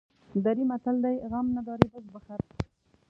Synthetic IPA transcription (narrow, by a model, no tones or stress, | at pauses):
d̪aɾimat̪ald̪ajɣamnad̪ɑɾib̪əzbaxaɾ